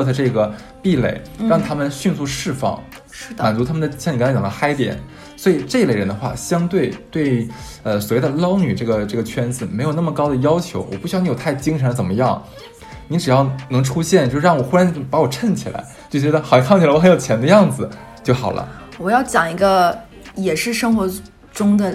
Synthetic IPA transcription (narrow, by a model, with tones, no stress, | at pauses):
t̪ʰa˥˧ʈ͡ʂɤ˥˩ɡə˩ | pi˥˩lḛ˥˩ɪɻɑ˥˩ŋt̪ʰa˥mə˨nɕy˥˧nsu˥˧ʂɻ̩˥˧fɑ̰˥˩ŋ̩˥˩ | d̪ma˨˩nt͡su˧˥t̪ʰa˥mə˨nd̪ə˩ɕni˨˧˥t͡ɕjɑ˨˩d̪ə̰˧˦xa˥ɪt̪jɛ̰˨˩˦n | swɔ˧˥i˨˩ʈ͡ʂɤ˥˩˧le˥˩ɪɻə˧˥nd̪ə˧xwa̰˥˩ɕjɑ˥ŋt̪we˥˩ɪt̪we˥˩ɪ | ə˧swɔ˨˩we˥˩d̪ə˧˩lɑ˥ʊny˨˩ʈ͡ʂɤ˥˩ɡə˩ʈ͡ʂɤ˥˩ɡə˩t͡ɕʰɥɛ˥nd͡zɹ̩˨˩me˧˥ɪjo˨˩ʊna˥˩mə˩kɑ˥ʊd̪ə˨˩jɑ˥ʊt͡ɕʰjo˧˥ʊwɔ̰˨˩pu˥˩ɕy˥˧˩n˧˥jtʰɪt͡ɕi˥ŋʈ͡ʂʰə˧˥nə˧t͡sə˨˩nmə˦jɑ˥˩ŋ | ni˧˥ʈ͡ʂɻ̩˨˩jɑ˥˩ʊnɤ˧˥ŋʈ͡ʂʰu˥ɕjɛ˥˩nt͡ɕjo˥˧ʊʂɻ̩˥ɻɑ˥˩ŋwɔ˨˩xu˥ɻa˧˥n˥pa˧˥wɔ˨˩ʈ͡ʂʰə˥˩nt͡ɕʰi˨˩la̰˧˥ɪt͡ɕjo˥˩ʊt͡ɕɥɛ˧˥ə˧xfʰt͡ɕi˨˩lwɔ˧˥xjt͡ɕʰjɛ˧˥nd̪ə˧jɑ˥˩ŋd͡zɹ̩˩ | t͡ɕjo˥˩ʊxɑ˨˩ʊlʔə̰˦ | wɔ˨˩jɑ˥˩ʊt͡ɕjɑ˨˩ŋi˧˥ɡə˧ | jɛ˨˩ʂɻ̩˥˩ʂɤ˥ŋxwɔ˧˥ | ʈ͡ʂʊ˥ŋd̪ə˨